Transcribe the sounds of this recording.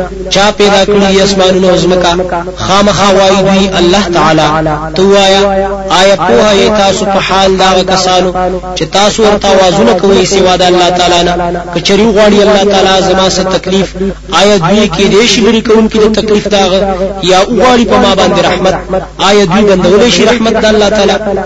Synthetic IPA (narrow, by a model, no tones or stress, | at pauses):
t͡ʃɑpɛd̪ɑkəɽid̪iasmɑnunaawzməka | xɑmaxɑwɑjid̪wialːɑht̪aʕalat̪auwɑjaɑjɑpohajet̪ɑsopəhɑld̪ɑɣakasɑnot͡ʃet̪ɑsowaɾt̪awɑzunakawəjsewɑd̪aalːɑt̪ɑlɑnakət͡ʃaɾewuɣwɑɽialːɑht̪alɑzamɑsat̪aklif | ɑjɑd̪wijeked̪eʃiləɾikawuŋkid̪ət̪aklifd̪əaɣajɑuɣwɑɽipəmɑbɑnd̪eɾahmat̪̚ | ɑjɑd̪wiband̪awəleʃiɾahmat̪̚d̪alːɑt̪ala